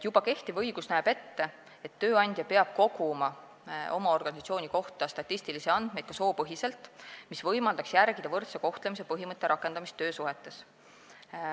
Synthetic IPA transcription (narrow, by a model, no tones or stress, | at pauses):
jub̥ɑke̞ht̪ivɤjɡ̥usnæːb̥e̞t̪ːe̞ | et̪ːø̞ːɑnʲd̪̥ʲjɑpe̞ɑb̥̚ko̞ɡ̥umɑ | o̞̰mɑo̞rɡ̥ɑnisɑt̪sio̞ːnʲiko̞ht̪ɑst̪ɑt̪ʲːˑisʲt̪ilisiɑnd̪̥me̞jd̪̥̚kɑso̞ːpɤɦise̞lt̪ːˑmisvɤjmɑld̪̥ɑksjærɡ̥id̪̥ɑvɤrt̪seko̞ht̪le̞mis̬e̞pɤɦimɤt̪ːˑe̞ɾɑkːˑe̞nd̪̥ɑmist̪ːøːsuɦe̞t̪ːˑe̞s